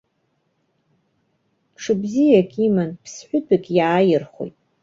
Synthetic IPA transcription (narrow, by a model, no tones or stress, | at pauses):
ʈ͡ʂʰɨbzijakʲʼʰimanpʰsħʷᶣʊtʰʼakʲʼjaːjɪrχo̰jtʼ